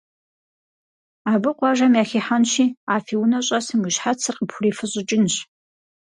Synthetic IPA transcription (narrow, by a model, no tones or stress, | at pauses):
aːbɨqʷɑʒɐmjaːxiːħanɕiːaːfiːwʊnɐɕʼɐsɨmɡɨɕħat͡sʰːɨrqəpxʷʊriːfɨɕʼɪt͡ʃʼɪnɕ